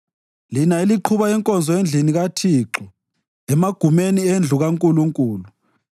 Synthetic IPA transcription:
linaeliǃʰuβaɛŋkʼɔnd͡zʱɔend͡ɮʱiniɣatʰiːǁɔ | ɛmaɡ̥ʱumeniend͡ɮʱuɣaŋkʼuluŋkʼuːlu

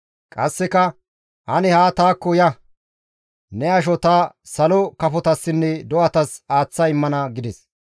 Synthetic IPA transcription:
kʼɐsːɛkɐ | ʔɐnɛhaːt̪aːkːɔjɐ | nɛɐʃ̬ɔt̪aːsɐlɔkɐfɔt̪ɐsːɪnːɛd̪ɔʔɐt̪ɐsaːt͡sːɐɪmːɐnɐɡɪd̪ɛs

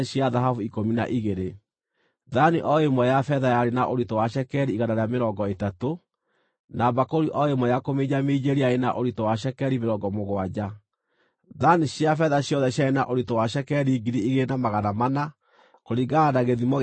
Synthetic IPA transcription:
ɕiaðaɦavuikomina̰ʔiɣeɾe | ðaniʔɔemɔjafɛðajaɾenaʔoɾitɔwaʃɛkɛɾiːɣadaɾeameɾɔŋɡɔetato | nabakoɾiʔɔemɔjakomeɲameid͡ʒeɾiaɾena̰ʔoɾitowaʃɛkɛɾimeɾɔɡɔmoɣwad͡ʑa | ðaniɕjafɛðaɕjɔðɛɕjaena̰ʔoɾitɔwaʃɛkɛɾiːɡiɾiiɣeenamaɣanamana | koɾiɡaadaɣeðimɔ

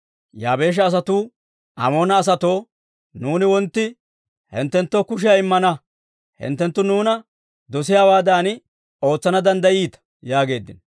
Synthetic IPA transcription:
jaːbe̞ːʃ̬ɐːs̬ɐt̪uː | ʔɐ̰mo̞ːnɐːs̬ɐt̪o̞ː | nuːnɪwɔnt̪ːɪ | hɛ̰nt̪ːɛnt̪ːo̞ːkʊʃ̬ɪjɐɪmːɐnɐ | hɪ̰nt̪ːɛnt̪ːʊnuːnɐ | d̪ɔs̬ɪjaːwaːd̪aːnɪ | o̞ːt͡sːɐnɐd̪ɐnd̪ɐjiːt̪ɐ̥ | jaːɡe̞ːd̪ːɪn

